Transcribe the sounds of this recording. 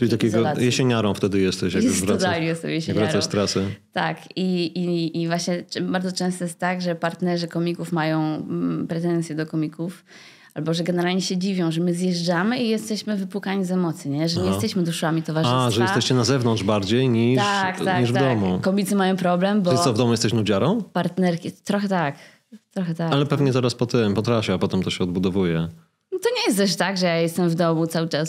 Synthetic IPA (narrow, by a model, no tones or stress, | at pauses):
it̪akʲeɡɔjɛɕeɲaɾɔ̃w̃ft̪ɛd̪ɘjɛst̪ɛɕjaɡbvɾaalijɛst̪ɛ̰̃w̃jɛɕɲvɾaɾast̪ɾasɛt̪akiiːvwaɕɲɛbaɾd̪ɔt͡ʂɛ̃w̃st̪ɔjɛst̪t̪ːaɡʐɛpaɾt̪nɛʐɘkɔmʲikufmajɔ̃w̃pɾɛt̪ɛnt̪ʲjɛd̪ɔkɔmʲikuf | ʔalbɔʐɛɡɛnɛɾalɲɛɕɛd͡ʑivʲjɔ̃w̃ʐɛmɘzjɛʐd͡ʐamɘijɛst̪ɛɕmɘvɘpwukaɲizɛmɔt̪siɲɛʐɛɲɛjɛst̪ɛɕmɘd̪uʂamʲit̪ɔvaʐaʐɛjɛst̪ɛɕt͡ɕɛnazɛvnɔ̃nd̪ʐbaɾd͡ʑejɲitʂakt̪aiʐvd̪ɔmukɔmʲit̪sɨmajɔ̃w̃pɾɔblɛmbɔɨsɔvd̪ɔmujɛst̪ɛɕnud͡ʑaɾɔ̃w̃paɾt̪nɛɾkʲit̪ɾɔxɛt̪ak | t̪ɾɔxɛt̪akalɛpɛvɲɛt̪ɛɾaspɔt̪ɛmpɔt̪ɾafʲiapɔt̪ɛmt̪ɔɕɛɔd̪bud̪ɔvujɛ | t̪ɔɲɛjɛst̪ɛʂt̪aɡʐɛjajɛst̪ɛmvd̪ɔmut̪sawɘt͡ʂas